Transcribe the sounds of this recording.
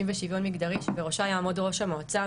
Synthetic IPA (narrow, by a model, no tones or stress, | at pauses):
imveʃivonmiɡdaʁiʃveʁoʃajaːmodʁo̞ʃamoat͡sa